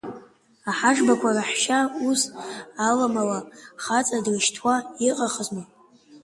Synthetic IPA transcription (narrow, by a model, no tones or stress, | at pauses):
aħaʐbakʷʰaraħʃausːlamalaχat͡sʼadrɨʃtʰwaiqʼaχəzni